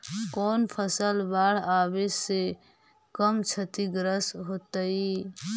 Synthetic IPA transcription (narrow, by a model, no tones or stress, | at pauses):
kɔːnpʰəsəlbaɽ̤abese | kəmt͡ʃʰət̪iɡɾəsɦoːt̪əi